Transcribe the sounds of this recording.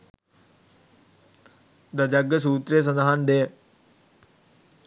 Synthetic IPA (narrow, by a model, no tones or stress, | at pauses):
d̪ɐd͡ʒɐɡəs̬uːt̪ɾes̬ənd̪aɦand̪eː